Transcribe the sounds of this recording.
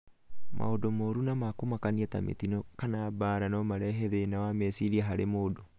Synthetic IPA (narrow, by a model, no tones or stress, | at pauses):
mʔa̰odomoɾunamakomakaniɛtamḛtinɔkanaːbaːɾanɔmaɾɛɦeðenawamɛsiɾiaɦaɾemodo